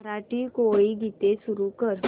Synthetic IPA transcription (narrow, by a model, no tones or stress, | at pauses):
ɾaːʈikoːiɡit̪esʊɾukəɾ